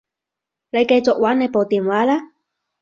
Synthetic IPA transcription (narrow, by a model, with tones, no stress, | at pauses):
ne˨˧jke˧jt͡sʊ˨k̚waː˨˥ne˨˧jpo˨wt̪iː˨˩nwaː˨˥laː˥